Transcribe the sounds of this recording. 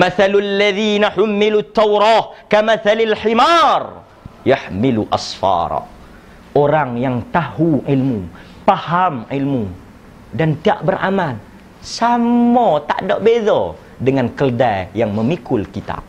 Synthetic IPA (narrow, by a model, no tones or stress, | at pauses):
maθalalːaðiːnaħʊmːilut̪ːawɾɑːkamaθalalħimar | jaħmiluʔa̰sfɑ̰ɾ̰ˤ | ʔoɾaŋjaŋt̪ahuʔilmu | pahamilmu | dant̪ia̰ʔbərʔa̰mal | samɔt̪a̰ʔdɔʔbezɔ | dəŋankəldajjaŋməmikʊlkit̪a̰